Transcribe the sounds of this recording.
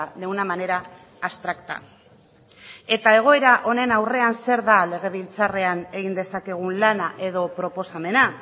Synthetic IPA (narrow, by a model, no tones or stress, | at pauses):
lewnamane̞ɾaː | st̪ɾakt̪a̰ | e̞t̪ae̞ɣ̞o̞e̞ɾaʔo̞ne̞nawre̞anse̞ɾðale̞ɣ̞e̞βilt͡sare̞ane̞ɣ̞ind̪e̞sake̞ɣ̞unlanaʔe̞ð̞o̞pɾo̞po̞same̞na